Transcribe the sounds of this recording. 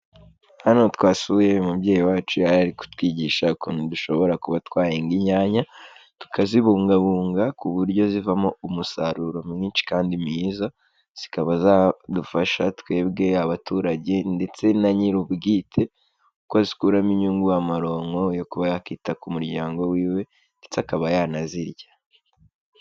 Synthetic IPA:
hanotwaːsuje̞mubɟe̞ːjiwaːt͡ʃujaɾaɾiku̥twiːɟiːʃakunuduʃo̞βo̞ɾakuβatwaːjeŋɡiɲaːɲatu̥kʰaziβuːŋɡaβuːŋɡakuβuɾɟo̞zivamo̞umusaɾuɾo̞mŋiːnt͡ʃi̥kaːndimiːza | z̥ikaβazadufaʃatwe̞ːbɡe̞aβatuːɾaɟe̞nde̞t͡se̞naɲiɾubɡiːtʰe̞ | ukwazikuɾamiɲuːŋɡuwamaɾo̞ŋo̞jo̞kuβajakitakumuɾɟaːŋɡo̞wiːwe̞ | ndet͡sakaβajanaziɾɟḁ

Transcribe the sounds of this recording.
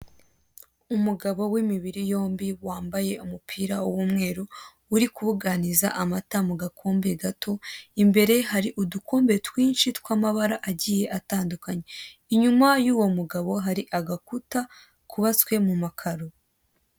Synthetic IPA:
umuɡaβo̞wimiβiɾijo̞ːmbiwaːmbaje̞umupʰiːɾauwumŋe̞ːɾuː | ɾikuβuɡaniza̰ʔamatamuɡakʰo̞ːmbe̞ɡatʰo̞imbe̞ɾe̞ɦaɾiʔuduko̞ːmbe̞twiːnʃitwaːmaβaɾaʔaɟije̞ʔataːndukaɲe̞iɲumajuːwo̞muɡaβo̞ɦaɾiʔaɡakuta | kuβaskwe̞mumakʰaɾo

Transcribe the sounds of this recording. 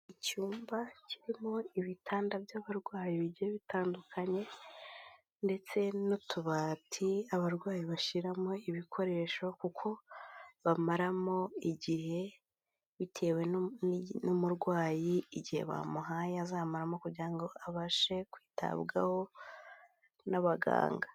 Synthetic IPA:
icuːmbaciɾimoiβitʰaːndabjaːβaɾɡwaːjiβiɟiheβitaːndukʰaɲe̞ | nde̞t͡se̞notʰuβatʰiaβaɾɡwaːjiβaʃiɾamo̞iβikʰo̞ɾe̞ːʃokukʰo̞βamaɾamo̞iɟihe̞ | βitʰe̞ːwe̞ | numuɾɡwaːjiːɟihe̞̰βa̰muɦajazaːmaɾamo̞kuɾɟiɾaŋɡo̞aβaʃe̞kwiːta̰βɡa̰ho̞ | naβaɡa̰ːŋɡa

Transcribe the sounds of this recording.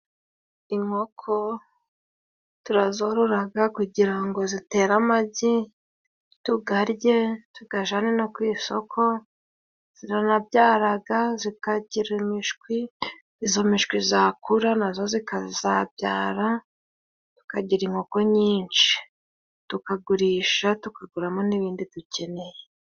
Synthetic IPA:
iŋo̞kʰo | tuɾazoɾoɾaɡakuɟiɾaŋɡo̞zite̞ːɾamaɟi | tuɡaɾje̞tuɡ̥aʒanenokwiːso̞kʰo̞ | z̥iɾanabɟaːɾaɡazikaɟiɾimiʃkwi | izomiʃkwizakuɾanazo̞zikazabɟaːɾa | tu̥kaɟiɾiŋoko̞ɲiːnt͡ʃi̥ | tukaɡuɾiːʃatukaɡuɾamoniβiːnditucʰe̞ne̞je

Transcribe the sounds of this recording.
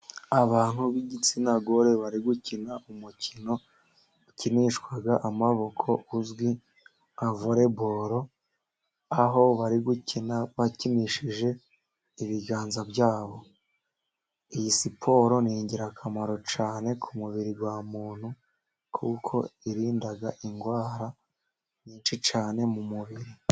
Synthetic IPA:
aβaːn̥huβiɟit͡sinaɡo̞ɾe̞βaɾiɡucinaumucino̞ | uciniʃkwaɡaʔamaβo̞kʰo̞uzɡwi | avoɾe̞bo̞ɾo̞ | aɦo̞βaɾiɡucinaβacimiʃiʒe̞ | iβiɡaːnzabjaːβo̞ | ijisipʰo̞ːɾo̞niɲɟiɾakʰamaɾo̞t͡ʃaːne̞kʰumuβiɾiɡwaːmuːn̥hu | kʰukʰo̞̰iɾiːndaɡaʔiŋɡwaːɾa | ɲiːnʃit͡ʃaːne̞mumuβiɾi

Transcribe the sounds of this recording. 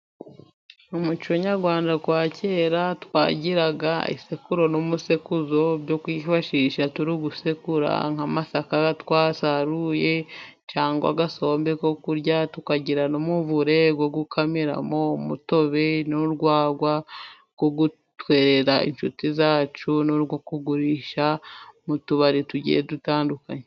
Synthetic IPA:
umut͡ʃioɲaɾɡwaːndakwaːcʰe̞ːɾatwa̰ːɟiɾaɡaḭsekuɾo̞nomusekuzo̞bɟo̞kwiːfaʃiːʃatuɾiɡusekuɾa̰ŋamasakatwaːsaɾuje̞ | t͡ʃaːŋɡoa̰ɡaso̞ːmbe̞ko̞kuɾɟatukaɟiɾanomuvuɾe̞ɡoɡukʰamiɾa̰mo̞muto̞βenoɾɡwaːɡwa | ɡ̥oɡu | twe̞ːɾe̞ɾaḭnʃutizaːt͡ʃunoɾɡokuɡuɾiːʃamutuβaɾituɟḭjḛdutaːndukaɲe

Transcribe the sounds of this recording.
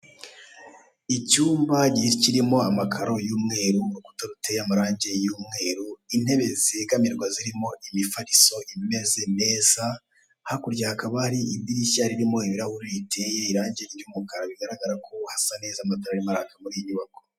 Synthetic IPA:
icuːmbaɟihiɾiciɾimo̞amakʰaɾo̞juːmŋe̞ːɾunuku̥taɾutejamaɾaːɲɟe̞juːmŋe̞ːɾuin̥he̞βe̞zekamiɾɡwaziɾimo̞ʔimifaɾiso̞ʔime̞ze̞me̞ːza | hakuɾɟahakaβahaɾiibdiɾiçaɾiɾimo̞iβiɾahuɾitʰejeiɾaːɲɟeiɾumukaɾaβiɡaɾaɡaɾakʰohasane̞ːzamataɾaɾimaɾakamuɾiɲuβako̥

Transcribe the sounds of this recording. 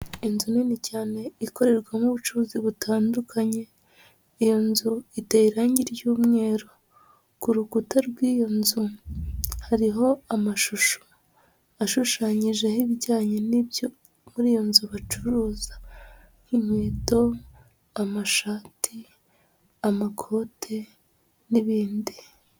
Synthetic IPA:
inzuninicaːne̞iko̞ɾe̞ɾɡwamuβut͡ʃuuːziβutʰaːndukʰaɲe̞ | ijo̞nzuiteiɾaːɲɟiɾjuːmŋe̞ːɾo̞ | kuɾukutaɾɡwiːjo̞nzu | haɾiɦo̞amaʃuʃo̥ | aʃuʃaːɲiʒe̞hiβiɟaːɲenibjo | muɾiːjo̞nzuβat͡ʃuɾuːzḁ | ŋ̥hiɲweːto̞ | amaʃaːtʰi | amakʰo̞ːtʰe | niβiːndi

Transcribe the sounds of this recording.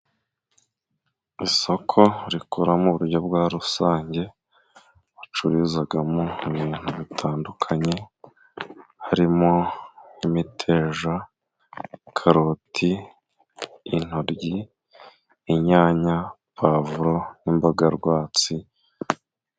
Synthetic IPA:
iso̞kʰo̞ɾikuɾamuβuɾɟob̚ɡwaːɾusaːɲɟe̞ | at͡ʃuɾizaɡamouβiːn̥huβitʰaːndukʰaɲe̞ | haɾimo̞imitʰe̞ːʒa | kʰaɾotʰi | n̥oɾɟi | ɲaːɲa | pʰavuɾo̞nimbaɡaɾɡwaːt͡si

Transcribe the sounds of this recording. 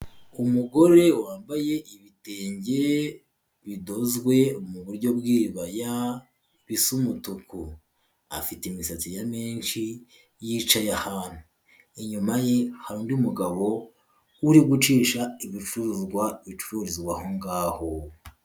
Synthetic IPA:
umuɡo̞ɾe̞waːmbaje̞ʔiβite̞ːɲɟe | βido̞zɡwe̞muβuɾɟo̞bɡiːβaja | βisumutuku | a̰fiteimisat͡sijameːnʃi | jiːt͡ʃajahaːn̥hu | iɲumajehaɾuːndiumuɡaβo̞ | uɾiɡut͡ʃiːʃaiβit͡ʃuɾuzɡwait͡ʃu̥ɾuɾizɡwaho̞ŋɡaːho̞

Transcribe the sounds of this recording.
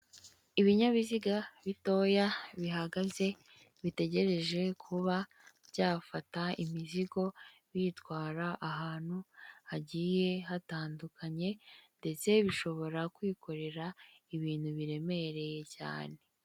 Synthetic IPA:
iβiɲaβiziɡaβito̞jaβiɦaɡaze̞ | βite̞ɟe̞ɾe̞ʒe̞kʰuβa | bɟaːfataimiziɡo̞ | βiːtwaːɾaʔaɦaːn̥huhaɟiːje̞ɦataːndukʰaɲe̞nde̞t͡se̞βiʃo̞βo̞ɾakwiːko̞ɾe̞ɾaiβiːnhuβiɾe̞me̞ɾe̞je̞ca̰ːne̞

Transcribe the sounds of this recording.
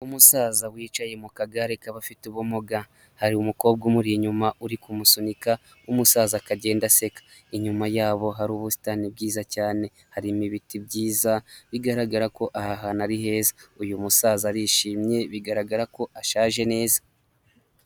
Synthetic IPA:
umusaːzawiːt͡ʃajemukaɡaɾekaβafituβumoɡa | haɾiumuko̞ːb̚ɡomuɾiɲumaʔuɾikumusunika | umusaːzakaɟe̞ːndase̞kḁ | iɲumajaːβo̞ɦaɾuːβusi̥tanibɡiːzacaːne̞ | haɾimiβitibɟiːzaβiɡaɾaɡaɾako̞ʔahaɦanaɾiɦe̞ːzaujumusaːzaɾiʃiːmɲe̞βiɡaɾaɡaɾako̞ʔaʃaːʒe̞ne̞ːzḁ

